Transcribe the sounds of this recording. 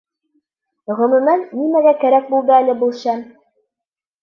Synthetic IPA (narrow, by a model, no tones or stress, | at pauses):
ʁɵ̆mɵ̆mænːimæɡækæɾæk̚bulˠd̪ɘælɘbulˠɕæm